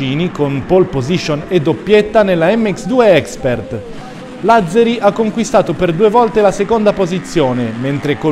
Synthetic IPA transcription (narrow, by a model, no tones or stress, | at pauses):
iːnikonpolpoziʃoned̪ːopːjet̪ːanelːaɛmːɛksd̪uːeɛkspert̪ | lad̪zːeɾiʔakːoŋkwist̪aːt̪operd̪uːevɔlt̪elasekond̪apozit̪sːjoːnement̪ɾeko